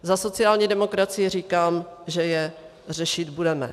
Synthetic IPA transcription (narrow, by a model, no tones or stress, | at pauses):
zaso̞t͡sɪaːlɲiːdɛmo̞kɾat͡sɪjɪr̝iːkaːmʒɛjɛ | r̝ɛʃɪt̪budɛmɛ̰